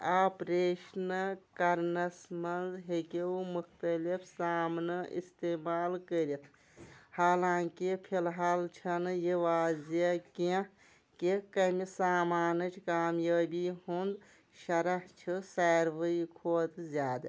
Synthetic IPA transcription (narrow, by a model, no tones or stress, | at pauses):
aːpɾeːʃnɐkɐɾnɐsmɐnzɦekiumuxt̪ɐlifsaːmnɨʔḭst̪eːmaːlkəɾit̪ʰ | haːlãːkipʰilɦaːlt͡ʃʰɐnjiʋaːzɐkã | kikɐmisaːmaːnɨt͡ʃʰkaːmjaːbiɦund̪ | ʃɐɾɐht͡ʃʰisaːɾʋəikʰoːt̪ʰzʲjaːd̪ɐ